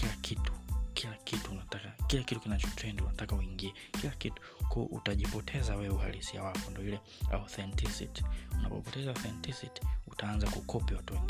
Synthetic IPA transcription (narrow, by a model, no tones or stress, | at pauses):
kilakʰitu̥kʰilakʰituunatakakilakitukinat͡ʃɔ̥tɾɛndiunatakauiŋɡiɛ | kilakitu̥kuʔṵtaʄipɔtʰɛzawɛwɛuha̰lisia̰wapɔndiɔilɛ | a̰θɛntisḭti̥una̰pɔ̰pɔtɛzaɔθɛntisiti̥utaanzakukʰɔpiwatuwɛŋɡi